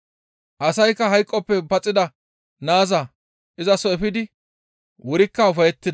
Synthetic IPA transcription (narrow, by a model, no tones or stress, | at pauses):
ʔɐsɐjkːɐɦɐjkʼːɔpːɛpɐt͡sʼːɪd̪ɐ | naːzɐ | ʔɪzɐsɔɛfɪd̪ɪ | wɔɾɪkːɐʊfɐjɛt̪ːɪd̪